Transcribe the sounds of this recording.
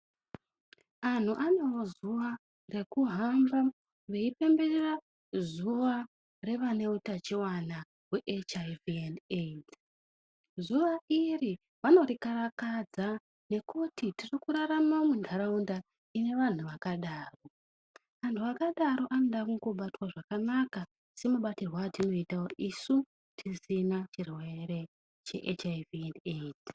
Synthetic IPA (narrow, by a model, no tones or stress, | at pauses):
an̤uʔane̞wo̞zuʋa | re̞kuɦamba | ʋe̞ipe̞mberera | zuʋa | re̞ʋane̞utat͡ʃiwana | weʔet͡ʃavienet | zuʋairi | ʋano̞rikaɾakad͡za | ne̞kutitirikuɾaɾamaomundʱaɾaunda | ine̞ʋan̤uʋakaɗaːro̞ | ʋantʰuakaɗaɾo̞ʔanoɗakuŋɡoɓatwaʐakanaka | se̞muɓatirwaːtino̞itawoʔisu | tʰisinat͡ʃirwe̞re̞ | t͡ʃe̞̰ʔḛt͡ʃaiviended